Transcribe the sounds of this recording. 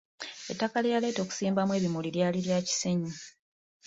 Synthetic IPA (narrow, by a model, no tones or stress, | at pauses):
e̞tːakalejale̞ːto̞ːku̥siːmbamwe̞ːβimuliɾjaːliɾjaːci̥se̞ɲi